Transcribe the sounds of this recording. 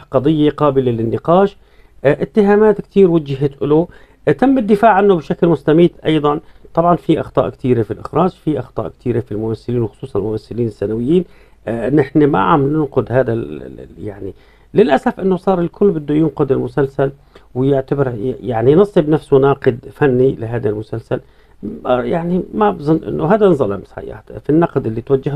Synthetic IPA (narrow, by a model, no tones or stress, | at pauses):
qɑd̪ˤɨjːeqɑːbɪlelɪnːɪqɑːʃ | ʔɪt̪ːɪɦaːmaːt̪kt̪iːɾwɪd͡ʒɪɦɪt̪ʔɪlu | t̪amːɪd̪ːɪfaːʕʕanːʊbʃaklmʊst̪amiːd̪ʔɑjd̪ˤɑnt̪ˤɑbʕɑnfiʔɑxt̪ˤɑ̰ːʔkt̪iːɾefilʔɪ̰xɾˤɑːd͡ʒfiʔɑxt̪ˤɑ̰ːʔkt̪ʰiːɾefilmʊmasːɪliːnwxʊ̥sˤuːsˤɑnɪlmʊmasːɪliːnɪsːanawɪjːiːn | nːɪħnema̰ʕamnɪnqʊd̪haːd̪al̰jaʕni | lɪlʔasafʔɪnːʊsˤɑːɾˤɪlkʰʊlːbɪd̪ːʊjɪnqʊd̪ɪlmʊsalsal | wɪjɪʕt̪abɪɾjaʕninɑsˤːɪbnafsʊnɑːqɨd̪fanːilɪɦaːd̪almʊsalsal | jaʕnimabzˤʊnːʔɪ̰nːʊɦaːd̪azˤɑlʔamsħa̰jːa̰t̪finːɑqd̪ʔɪlːit̪wad͡ʒːɪh